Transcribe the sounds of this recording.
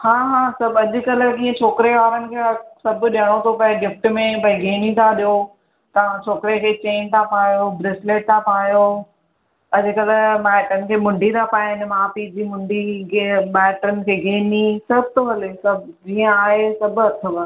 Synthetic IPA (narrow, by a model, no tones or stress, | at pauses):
hãːɦãːsɐbɐd͡ʑʊ̆kɐləkĩːə̃t͡ɕʰoːkɾeʋaːɾənɪ̆kʰeːsɐbʱɗiəɽ̃ot̪ʰopɐɪ̃ɡɪfʈmẽpɐĩɡʱeːnit̪ʰaɗijo | t̪ɐʋ̤ãt͡ɕʰoːkɾekʰeːt͡ɕeːnt̪ʰapʰaːjobɾɪsleːʈ̚t̪ʰapʰaːjo | ɐd͡ʑ̆kɐləmɛːʈənɪ̆kʰeːmʊ̃ɳɖʱit̪ʰapaːjɪnɪmaːpid͡ʑiːmʊ̃ɳɖʱiɡeɓɛːʈəɾənɪ̆kʰeːɡʱeːnisɐb̚ʱt̪oɦɐlesɐbd͡ʑiːə̃aːɦesɐbʱt̪ʰɐb